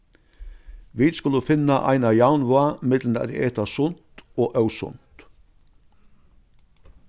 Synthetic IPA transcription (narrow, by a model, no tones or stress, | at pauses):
ʋiːd̪skʉləfɪnɑʔɑ̰ɪnɑjɑʊnʋʊɑmɪd̪ln̩d̪æ̰ɾ̰ḛːt̪ɑsʊnt̪oːʔɑʉsʊ̰nt̪